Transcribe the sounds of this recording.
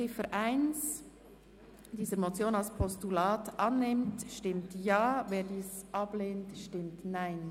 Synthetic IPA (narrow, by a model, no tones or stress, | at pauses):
ɪfəʔaɪns | d̥iːzəɾmot͡sjoːnalspʰɔstulaːtʔɑnːɪmtʃtɪmtjaːveːɾdiːsʔɑb̥leːntʃtɪmtnaɪn